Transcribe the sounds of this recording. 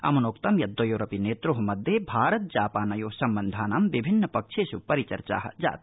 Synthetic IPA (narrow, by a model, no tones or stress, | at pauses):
ɐ̰munoːkt̪ɐmjɐd̪ːoːjoːɾɐpineːt̪ɾuɦumɐd̪ʱjebʱaːɾɐt̪̚d͡ʒaːpaːnɐjoːsɐmbɐnd̪ʱaːnamʋibʱinːɐpɐkʃʰeːsupɐɾit͡ʃɐ̰ɾt͡ʃa̰ːɦɐ̰d͡ʒa̰ːt̪̚